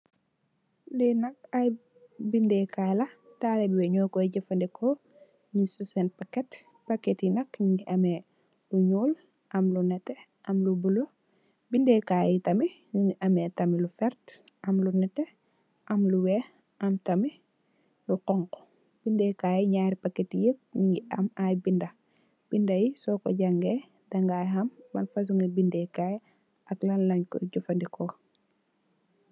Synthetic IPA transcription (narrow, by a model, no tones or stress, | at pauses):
ndɛnɐk̚aj | bindɛkajlɐ | taːlɛbiwɛɲɔːkɔɟɛfɐndɛkʰɔ | ɲisusɛnpakːɛt | pɐkɛtinɐkɲiʔɐmɛ | luɲuːl | ʔɐmlunɛtːɛ | ʔɐmlubulo | bindɛkaːjitɐmiɲɲiʔɐmɛtɐmilufɛɾt | ɐmlunɛte | ʔɐmluwɛ | ʔɐmtɐmi | luqɔŋkɔ̥ | b̥indɛkaːjɛɲaːɾipakːetijək̚nuŋɡiʔɐmajbindɐ | b̥indɐjisɔkɔ̰ɟaŋɡe | dɐŋɡaːjɦɐmːɐnfɐs̬uŋɡibindɛkaːj | ɐklɐnlɐɲkɔ̰ɟufɐndikɔ